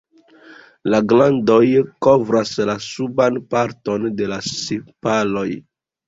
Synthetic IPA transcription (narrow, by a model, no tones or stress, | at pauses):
laɡlando̞jkovɾaslasubanpaɾto̞nde̞lasipalo̞j